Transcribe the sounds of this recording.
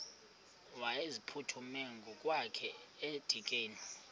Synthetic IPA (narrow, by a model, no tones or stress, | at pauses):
waezipʰutʰumeŋɡʱukʼwakʰɛed̥ʱikʼeːni